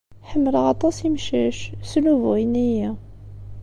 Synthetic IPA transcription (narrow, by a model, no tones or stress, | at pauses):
ħəmːələʁɑt̪ˤɑsimʃæʃsluvʁinijæ